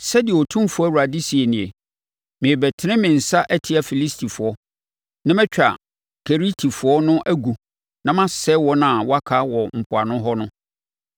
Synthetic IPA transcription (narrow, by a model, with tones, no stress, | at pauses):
sɛ˦dɪ˨wɔ˨tʰũ˦m˦fʊ˦ɔ˦˨u˨a˨di˦si˨e˨nɪ̃˨e˨ | mɪ̃˨e˨bɛ˨tʰɪ˦nɪ̃˦mɪ̃˨n̩˨sa˦ʔɛ˦tʰɪ˦a˨fi˨li˦stʰi˨fʊ˨ɔ˦ | nã˦mɛ̃˦t͡ɕᶣa̰˨ | kʰe˨ɾi˦tʰi˨fʊ˨ɔ˦nʊ̃˦ʔæ˦ɡu˨ | nã˦mã˦sɛ˦wɔ˦nã˨wɔ˦a˦kʰa˦wɔ˨m̩˨pʰʊ˨a˨nʊ̃˦ɦɔ˦nʊ̃˦